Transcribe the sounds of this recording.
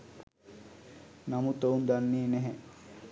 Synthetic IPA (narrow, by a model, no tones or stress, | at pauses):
namut̪ound̪anːiːnɛɦɛ